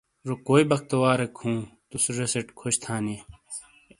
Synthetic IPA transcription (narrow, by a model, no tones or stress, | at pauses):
ɾokoːibɐk̚t̪ɐwaːɾekʰhũːt̪usɾeseʈkʰoɕt̪ʰaːnie